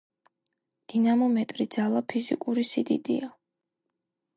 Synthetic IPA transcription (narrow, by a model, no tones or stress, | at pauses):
d̪̥inamɔmɛt̪ʼɾid̪zalˠapʰizikʼuɾisid̪ḭd̪ḭa